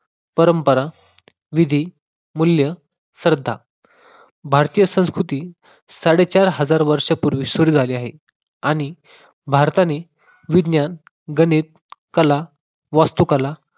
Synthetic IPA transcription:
pəɾəmpəɾa | ʋid̪ʱi | muljə | səɾd̪ʱːa | bʱaɾt̪ijəsə̃w̃skɾut̪iː | saɽet͡ɕaɾɦəd͡zaɾʋəɾʂəpuɾʋisuɾid͡zʱaliːaɦe | aɽ̃i | bʱaɾt̪ane | ʋid̪njan | ɡənit̪̚ | kəla | ʋast̪ukəla

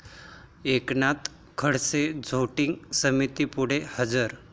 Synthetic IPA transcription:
eknat̪ | kʰəɽsed͡zʱoʈiŋɡsəmit̪ipuɽ̤ehəd͡zəɾ

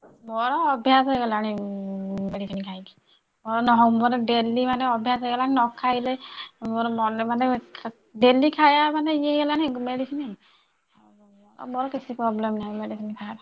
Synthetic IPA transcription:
mɔɹɔɔbʱjaseɡɛlaani | meɖisʰɔnikʰajɡi | mɔɹɔnɔɦɔbɔnɛdelːimanɛɔbʱjas̬eɡɛlaninɔkʰːailɛɔmɔnɛmanɛ | delikʰajamanɛiɛɡɛlanimeɖisɔni | mɔɔ̰mɔɹɔkisʰipɹɔblɛmnamedisɔnikʰaa

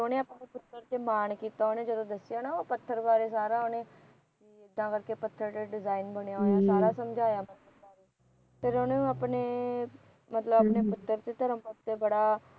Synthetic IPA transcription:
oːneːaːpneːpʊt̪ːəɾt̪eːmaːnkiːt̪aːɦoːneːd͡ʒəd̪õːd̪əsːɪjaːnaːoːpət̪ʰːəɾbaːɾeːsaːɾaːɦoːneː | kiɪd̪ːãːkəɾkeːpət̪ʰːəɾt̪eːɖɪzaːiːnbəɳejaːɦoːjaːsaːɾaːsəmd͡ʒʱaːjaːmət̪ləbbaːɾeː | pʰɪɾoːnẽːaːpneː | mət̪ləbapneːpʊt̪ːəɾt̪eːt̪əɾəmpət̪eːbəɽaː

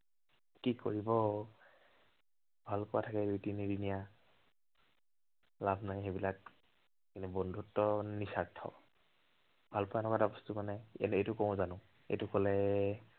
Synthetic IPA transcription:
kiko̰ɹibɔ | bʱalpɔwatʰakɛdujtinidinija | labʱnajxebilak | kinubɔndʱutːɔnisatʰːɔ̰ | bʱalpɔwanɔkatabɔstumanɛɛ̰nejtʊkɔm̃zanʊ̃ | ḛjtʊkɔlɛ

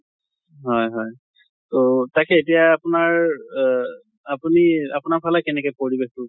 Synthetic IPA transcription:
ɦɔjɦɔj | totakɛet̬ijaːpunaɹ | apuniapunaɹpʰalakɛnɛkɔjpoɹibextʊ

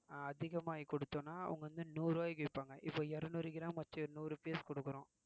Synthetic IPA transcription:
ɐðɪɣɐmaːjikɔɽɯt̪ːõːnːaːʊ̰ŋɡɐʋɐnd̪ɯnuːɾoːjkɐʋɪpːaːŋɡɐʔɪpːoːɛɾɯnuːɾɪkɪɾãːmʋɐt͡ʃːɯnuːɾɯpiːɐskɔɽɯkːɯɾʊ̃ː

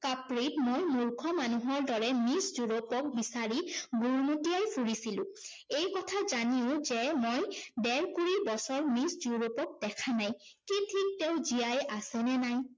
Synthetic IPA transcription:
kapɹitmojmuɹkʰɔmanuɦɔɹdɔɹɛmiszuɹopɔk̚bisaɹiɡuɹmutiajpʰuɹisilʊ̰̃ | ejkɔtʰazaniʊ̃zɛmojdɛɹkuɹibɔsɔɹmiszuɹopɔk̚dɛkʰanaj | kitʰik̚tewzijajʔasɛnɛnaj

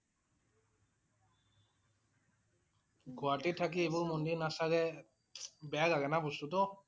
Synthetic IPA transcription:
ɡʱoaʈit̪ʰak̬iebuɾmonɖiɾnasaɡɛ | bɛaɡaɡɛnapɔst̪ut̪o

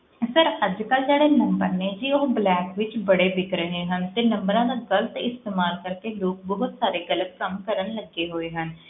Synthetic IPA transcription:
səɾəd͡ʒkəld͡ʒeːɽeːnəmbə̰ɾneːd͡ʒiːoːblɛːkʋɪt͡ʃbəɽeːbɪkɾəɦeːɦənt̪eːnəmbəɾãːd̪aːɡələt̪ɪst̪eːmaːlkəɾkeːloːk̚bɔɦʊt̪saːɾeːɡələt̪̚kəmkəɾənləɡeːɦoːeːɦən

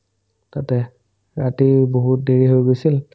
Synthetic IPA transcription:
tatɛ | ɹatiboɦut̚deɹiɦojɡojsil

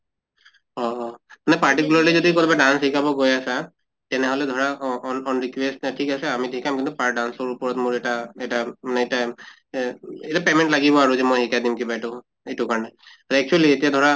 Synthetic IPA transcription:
ɔmanɛpaɹʈikulaɹlizodikotibadanshikabɔɡojasa | tɛnɛɦɔlɛd̪ʱɔɹanɔnɹikwesttʰikasɛamidʱikʰamkintʊpaɹdansɔɹupɔɹɔtmʊɹɛtaɛtamanɛeta | etapemɛntlaɡibɔaɹuzɛmojhikadimkibajtʊ | etʊkaɹɔnɛaɛk̚t͡ʃualietijad̪ʱɔɹa

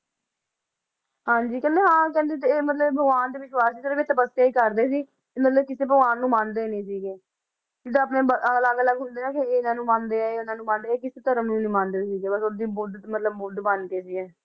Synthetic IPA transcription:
hãːɲd͡ʒiːkɛ̃ːnd̪eːɦãːkɛ̃ːnd̪ẽːt̪̬eeːmət̪ləbbʱəɡʋaːnd̪eːʋɪʃwaːsiːsəɾbeːt̪əbəseːiːkəɾd̪eːsiː | mət̪ləb̚kɪseːbʱəɡaːnːũːmãːnd̪eːnĩːsiːɡeː | d͡ʒɪd̪ãəpneːbəələɡələɡɦʊnd̪eːnãːkɪːɪnãːnũːmãːnd̪eːɛːeːʊnãːnũːmãːnd̪eːɛːkɪseːt̪əɾəmnũːnĩːmãːnd̪eːsiːɡeːbəsod̪iːbʊd̪mət̪ləbbʊɖbənkeːsiːɛː

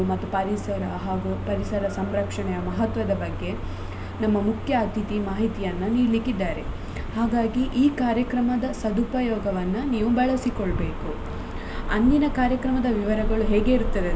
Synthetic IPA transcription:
umɐt̪ːupɐɾisɐɾɐɦaːɡupɐɾisɐɾɐsɐmɾɐkʂɐɳɛjɐmɐɦɐt̪ʋɐd̪ɐbɐɡːe̞ | nɐmːɐmukʰjɐːt̪it̪imaːɦit̪ijɐnːɐniːlikid̪ːaːɾe̞̰ | haːɡaːɡiʔiːkaːɾjɐkɾɐmɐd̪ɐsɐd̪upɐjɔːɡɐʋɐnːɐniːʋubɐɭɐsikoɔɭbe̞ːku | ɐnːinɐkaːɾjɐkɾɐmɐd̪ɐʋiʋɐɾɐɡɐɭuɦɛːɡe̞iɾut̪ːɐd̪e

